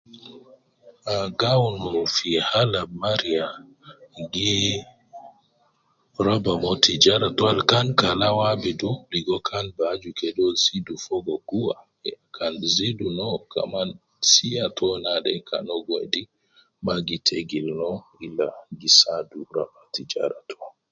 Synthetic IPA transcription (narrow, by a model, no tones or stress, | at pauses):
aɡawnɔfihalamaɾija | ɡi | ɾabamotʰid͡ʒaɾatɔalkankalawabɛdudiɡɔkʰanbad͡ʒukɛdɔzidufɔɡɔɡuwa̰ | ɛkʰanzidunɔka̰man | sijatʰɔnadɛ̰kʰa̰nɔɡojdi | maɡitʰeɡilnɔilːaɡisaduɾa̰batid͡ʒa̰ɾatʰɔ̥